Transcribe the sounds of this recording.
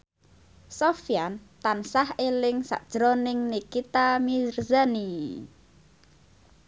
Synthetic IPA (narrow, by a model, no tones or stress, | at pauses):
sofjant̪ansahelɪŋsa̰ʔd̥ʒ̥ɾonɪŋnikit̪amirzani